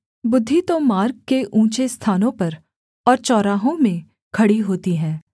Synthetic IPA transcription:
bʊd̪ʱːit̪omaːɾɡkeʔũːt͡ʃest̪ʰaːnõpɐɾ | ɔːɾt͡ʃɔːɾaːɦõmẽ | kʰɐɽiɦoːt̪iɦɛ̃ː

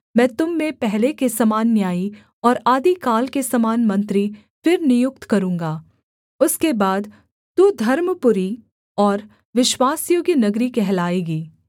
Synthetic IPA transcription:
mɛ̃ːt̪ʊmːẽpɛɦlekesɐmaːnjaːi | ɔːɾaːd̪ikaːlkesɐmaːnmɐ̃nt̪ɾi | fɪɾnɪjʊk̚t̪kɐɾũːŋɡaː | ʊskebaːd̪ | t̪ud̪ʱɐɾmpʊɾi | ɔːɾ | ʋɪʃwaːsjoːɡjinɐɡɾikɛɦlaːeːɡiː

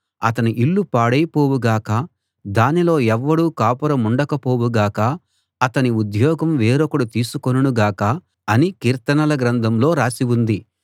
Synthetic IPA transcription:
ɐt̪ɐniʔilːupaːɽɐjpoːwuɡaːkɐ | d̪aːnilo̞ːɛʋːɐɽuːkaːpuɾɐmuɳɖɐkɐpo̞ːwuɡaːkɐ | ɐt̪ɐniud̪jɔːɡɐmʋeːɾokɐɽut̪iːsukonunuɡaːkɐ | ɐnikiːɾt̪ɐnɐlɐɡɾɐnd̪ʱɐmlo̞ːɾaːsiwund̪i

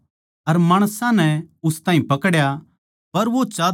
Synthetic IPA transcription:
ɐɾmaːɽ̃sãnɛʊst̪ãːɦĩpɐkɽja | pɐɾʋot͡ʃaː

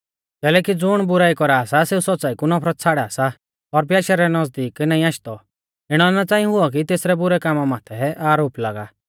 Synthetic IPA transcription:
kɛːlɛːkid͡zʊɽ̃bʊɾaːikɔɾaaːsaseːusɔtːt͡saːikunɔpʰɾɔt̪t͡sʰaːɽɛaːsa | ɔɾbjaːʃaɾɛnɐzd̪iːknaːĩaːʃt̪ɔ | ɪɽ̃ɔnat͡sãːĩɦʊɔk̬it̪eːsɾɛbʊɾɛkaːmamaːt̪ʰɛʔaːɾoːplaːɡaː

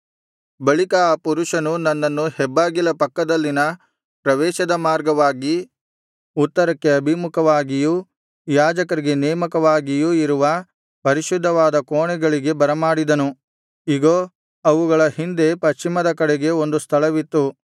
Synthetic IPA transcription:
bɐɭikɐaːpuɾuʃɐnunɐnːɐnːuhɛbːaːɡilɐpɐkːɐd̪ɐlːinɐ | pɾɐʋɛːʃɐd̪ɐmaːɾɡɐʋaːɡi | ut̪ːɐɾɐkːe̞ɐbʱimukʰɐʋaːɡiju | jaːd͡ʒɐkɐɾiɡe̞nɛːmɐkɐʋaːɡijuiɾuʋɐ | pɐɾiʃud̪ʱːɐʋaːd̪ɐkoːɳɛɡɐɭiɡe̞bɐɾɐmaːɽid̪ɐnu | iɡoː | ɐʋuɡɐɭɐhind̪e̞pɐʃt͡ʃimɐd̪ɐkɐɽɛɡe̞o̞nd̪ust̪ʰɐɭɐʋit̪ːu

